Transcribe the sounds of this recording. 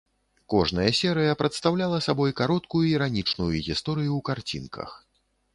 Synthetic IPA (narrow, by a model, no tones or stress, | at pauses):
kɔʐnɐjɐsʲɛɾɨjɐpɾɐt̪st̪awlʲalˠɐsabɔjkaɾɔt̪̚kujuiɾanʲit͡ʂnujuɣʲist̪ɔɾɨjuwkart͡sʲinkʰɐ̰x